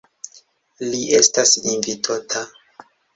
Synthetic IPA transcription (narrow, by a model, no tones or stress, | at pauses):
liʔe̞stasinvitʰotʰa